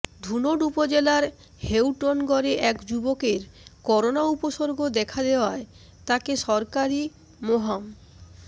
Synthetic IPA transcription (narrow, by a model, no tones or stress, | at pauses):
d̪ʱunoɖupod͡ʑelaɾ | hewʈonɡɔɾeʔɛkd͡ʑubokeɾkɔɾonaupoʃoɾɡʱod̪ɛkʰad̪eoae | t̪akeʃɔɾkaɾi | moɦam